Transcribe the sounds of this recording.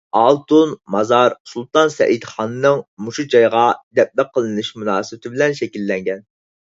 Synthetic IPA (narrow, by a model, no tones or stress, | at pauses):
ɑlˠt̪unmɑzɑɾsulˠt̪ɑnsɛ̰ʔid̪χɑnɨnɨŋmuʃud͡ʒɑjʁɑd̪ɛp̚læqʰːəlˠɨnɨʃmunɑːsɨbɪt̪ʰɪbɪlɛnʃɛkʲilːɛŋɡʲɛn